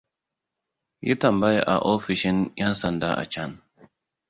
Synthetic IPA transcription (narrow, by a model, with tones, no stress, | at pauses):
jḭ˦tɐ˨mba˦jʔa̰˨ʔo˦ɸi˨ʃi˦njɛ˦nsɐ˦˨nda̰˦ʔa̰˨t͡ʃa˦n